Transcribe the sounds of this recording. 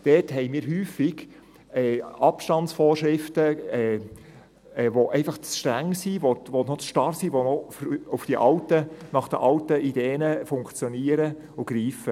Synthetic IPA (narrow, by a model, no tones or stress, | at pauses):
d̥ɛːthɛɪmiːɾɦyːfɪɡ̥ | ɛːɑpʃtɑntt͡sfɔːrʃɾɪftəɛ | ɛʋoʔɛɪfɑχt͡sʃtɾæŋːsiʋoʋonoʃtɑɾsiʋonofɾufd̥iʔɑltənɑχd̥ə̰ʔɑltəʔid̥eːnəfʊŋkt͡sjɔniːəɾə | ʊɡ̥ɾiːfə